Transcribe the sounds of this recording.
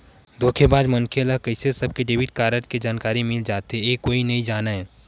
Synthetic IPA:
d̪oːkʰebaːd̪mənkʰeɐləkəɪsesɐb̚keɖeːʋiʈkaːɾəʈked͡ʒaːnkaːɾimɪld͡ʒaːt̪eeːkːoːinɐĩd͡ʒaːnaɦɛː

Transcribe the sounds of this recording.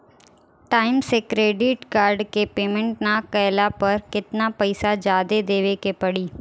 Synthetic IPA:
ʈaːɪmsekɾeːɖɪʈkaːɾɖkepeːmɛ̃ɳʈnakəjlapɐɾkɪt̪napɐɪsad͡ʒaːd̪ed̪eːʋekepɐɽiː

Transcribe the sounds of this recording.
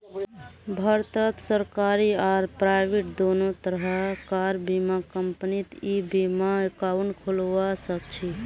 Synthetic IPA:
bʱəɾt̪ət̪səɾkaɾiaɾpɾaɪbeʈd̪onot̪əɾɦəkaɾbimakəmpnit̪ibimaekaunkʰulʋasək̚t͡ʃʰi

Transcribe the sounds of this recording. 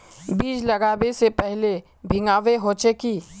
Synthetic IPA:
biːd͡ʒlɐɡaːbesepɛɦle | bʱɪŋaːʋeɦoːt͡ʃekiː

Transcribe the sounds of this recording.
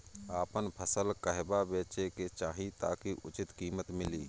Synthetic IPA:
aːpənpʰəsəlkəɦbabeːt͡ʃeket͡ʃaːɦĩt̪a̰ːkiʔʊt͡ʃɪt̪kiːmət̪mɪliː

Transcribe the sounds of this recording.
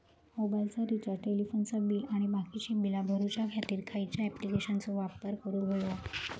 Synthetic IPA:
mobailt͡saɾit͡ɕaɾʈelifonsəbiʔaɽ̃ibakit͡ɕibilabʱəɾut͡ɕjakʰjat̪iːɾkʰait͡ɕjaɛplikeɕant͡soʋap̚əɾkəɾuɡʱojʋa

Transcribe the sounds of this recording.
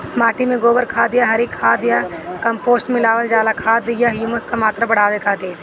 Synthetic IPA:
maːʈimẽɡoːbəɾkʰaːd̪ɪjaɦɐɾikʰːaːd̪ɪjakɐ̃mpoːsʈmɪlaːʋəld͡ʒaːlakʰaːd̪ɪjaɦjuːməskamaːt̪ɾabɐɽ̤aːʋekʰaːt̪eː

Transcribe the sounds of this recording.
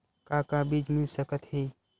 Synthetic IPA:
kãːkãbiːd͡ʒmɪlsəkət̪hĩː

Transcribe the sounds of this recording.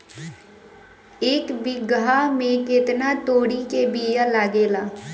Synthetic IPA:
eːkbɪɡaːmẽkɪt̪naːt̪oːɽikeːbiːjalaːɡeːlaː

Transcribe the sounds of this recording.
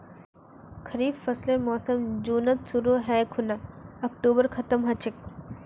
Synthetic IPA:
kʰɐɾiːbfɐslemɔːsəmd͡ʒuːnɐt̪suɾoɦɛːkʰʊnaɐk̚ʈuːbəɾkʰɐt̪əmɦɐt͡ʃɪk̚

